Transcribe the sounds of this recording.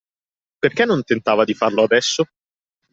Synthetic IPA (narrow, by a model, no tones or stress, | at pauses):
perkɛnːont̪ent̪aːvad̪ifarload̪ɛsːo